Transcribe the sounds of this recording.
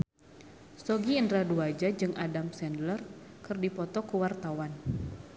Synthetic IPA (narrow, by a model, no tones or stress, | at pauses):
sɔɡiəndɾaduad͡ʒad͡ʒɨŋʔadamsɛndlərkɨrdipɔt̪ɔkuwart̪awan